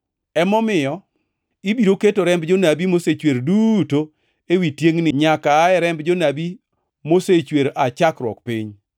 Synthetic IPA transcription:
ɛmɔmɪjɔ | ibiɾoketoɾɛmbd͡ʒonabimoset͡ʃweɾduto | ewitjeŋnɪɲakaːɛɾɛmbd͡ʒonabi | moset͡ʃweɾat͡ʃakɾwɔ̰kpiɲ

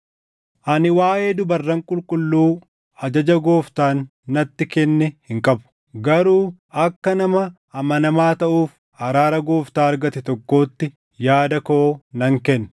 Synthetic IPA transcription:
ʔɐnɪwaːʔe̞ːd̪ʊbɐrːɐŋkʼʊlkʼʊlːuː | ɐd͡ʒɐd͡ʒɐɡo̞ːft̪aːnː | ɐt̪ːɪkɛnːɛhɪŋkʼɐbʊ̥ | ɡɐɾuːʔɐkːɐnɐmɐ | ɐmɐnɐmaːt̪ɐʔuːf | ɐɾaːɾɐɡo̞ːft̪aːɐɾɡɐt̪ɛt̪ɔkːo̞ːt̪ːɪ | jaːd̪ɐkoːnɐŋkɛnːɐ

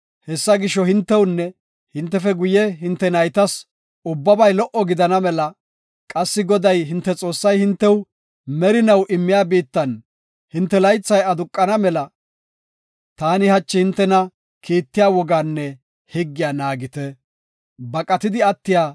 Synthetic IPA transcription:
hɛsːɐɡɪʃːɔhɪnt̪ːɛwnːɛ | hɪnt̪ːɛfɛɡʊjɛɦɪnt̪ːɛnɐjt̪ɐs | ʊbːɐbɐjlɔʔɔɡɪd̪ɐnɐmɛlɐ | kʼɐsːɪɡɔd̪ɐjɦɪnt̪ːɛt͡sʼo̞ːsːɐjhɪnt̪ːɛw | mɛɾɪnɐwʔɪmːɪjaːbiːt̪ːɐn | hɪnt̪ːɛlɐjt͡sːɐjɐd̪ʊkʼːɐnɐmɛlɐ | t̪aːnɪhɐt͡ʃːɪhɪnt̪ːɛnɐ | kʰiːt̪ːɪjaːwɔɡaːnːɛ | hɪɡːɪjaːnaːɡɪt̪ɛ | bɐkʼɐt̪ɪd̪ɪɐt̪ːɪjaː

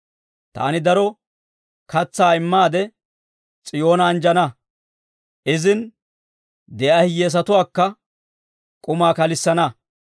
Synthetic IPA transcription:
t̪a̰ːnɪd̪ɐɾɔ | kɐt͡sːaːɪmːaːd̪ɛ | t͡sʼɪjo̞ːnɐːnd͡ʒɐnɐ | ʔɪzɪn | d̪ɛʔɐhɪjeːs̬ɐt̪ʊwaːkːɐ | kʼʊmaːkɐlɪsːɐnɐ

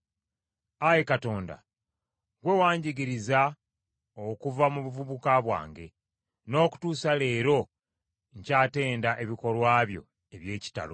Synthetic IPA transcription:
ajekato̞ːnda̰ | ɡwe̞waːɲɟiɡiɾiza | okuvamuβuvuβukaβwa̰ːŋɡe̞ | no̞ːku̥tuːsale̞ːɾo̞ | ɲcaːte̞ːndaʔe̞βiko̞lwaːβjo̞̰ | eβje̞ːci̥ta̰lo

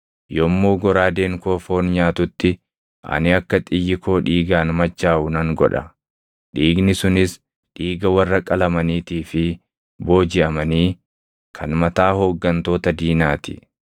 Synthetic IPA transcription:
jɔmːoːɡɔɾaːd̪eːŋkoːfo̞ːnɲaːt̪ʊt̪ːɪ | ʔɐ̰nɪɐkːɐt̪ʼɪjːɪko̞ːᶑiːɡaːnmɐt͡ʃːaːʔʊnɐŋɡɔ̰ᶑɐ̰ | ᶑiːɡnɪsʊnɪs | ᶑiːɡɐwɐrːɐkʼɐlɐmɐniːt̪iːfɪ | bo̞ːd͡ʒɪʔɐmɐniː | kʰɐnmɐt̪aːhoɡːɐnt̪o̞ːt̪ɐd̪iːnaːt̪ɪ̥̰

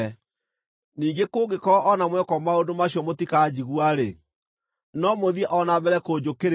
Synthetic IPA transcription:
niːŋɡekoːɡekɔɔʔɔnamwɛkɔmaodomaɕjɔmotikad͡ʑiɣwaɾe | nɔmoðiɛʔɔnaβɛɾɛkod͡ʒokeɾ

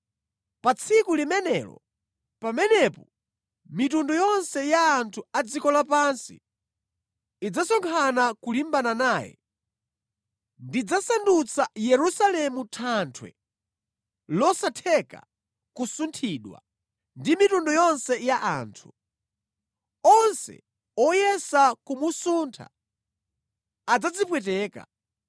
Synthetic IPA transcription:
pat͡sʰikulimɛnɛlɔ̰ | pamɛnɛpɔ | mitundɔjɔnsɛjaːntʰuad͡zikɔlapansḭ | id͡zasɔŋkʰanakulimbananaːjɛ̰ | ndid͡zasandut͡sʰajɛɾusalɛmutʰantʰwɛ̰ | lɔsatʰɛka̰ | kusuntʰiːɗwa̰ | ndimitundɔjɔnsɛjaʔa̰ːntʰu̥ | ɔnsɛ̰ | ɔjɛsakumusuːntʰa̰ | ad͡zad͡zipwɛtɛːka̰

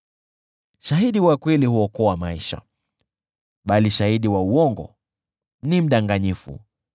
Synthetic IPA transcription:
ʃaɦiɗiwakwilihuɔkɔwamaiʃa̰ | ɓaliʃahiɗiwauɔŋɡɔ̰ | nim̩ɗaŋɡaɲifṵ

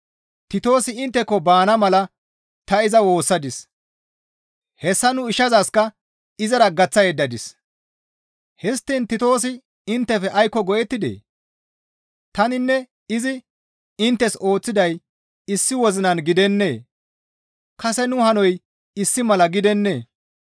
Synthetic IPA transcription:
t̪ɪt̪o̞ːsɪɪnt̪ːɛkːɔbaːnɐmɐlɐ | t̪ɐɪzɐwo̞ːsːɐd̪ɪs | hɛsːɐnʊɪʃɐzɐskɐ | ɪzɐɾɐɡɐt͡sːɐjɛd̪ːɐd̪ɪs | hɛst̪ːint̪ɪt̪o̞ːs̬ɪ | ɪnt̪ːɛfɛʔɐjkːɔɡɔjɛt̪ːɪd̪ḛː | t̪ɐnɪnːɛ | ɪzɪ | ɪnt̪ːɛso̞ːt͡sːɪd̪ɐj | ɪsːɪwɔzɪnɐnɡɪd̪ɛnːe̞̰ː | kɐsɛnʊhɐnɔj | ɪsːɪmɐlɐɡɪd̪ɛnːe̞ː

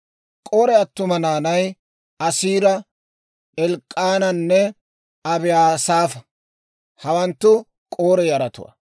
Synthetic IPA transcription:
kʼo̞ːɾɛɐt̪ːʊmɐnaːnɐj | ɐsiːɾɐ | ɛlkʼːaːnɐnːɛ | ɐbɪjaːsaːfɐ | hɐwɐnt̪ːʊ | kʼoːɾɛjɐɾɐt̪ʊ̰wɐ̰

